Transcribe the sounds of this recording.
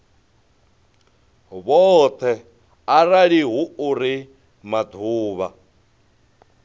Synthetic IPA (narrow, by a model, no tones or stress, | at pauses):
βɔt̪ʰɛ | araɺiɦuuɾi | mad̪ʰʱuːβa